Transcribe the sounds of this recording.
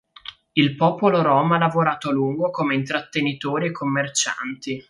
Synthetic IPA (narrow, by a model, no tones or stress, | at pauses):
ilpɔːpoloɾɔːmalːavoɾaːt̪oluŋɡokomeint̪ɾat̪ːenit̪oːɾiekʰːomːert͡ʃa̰nt̪i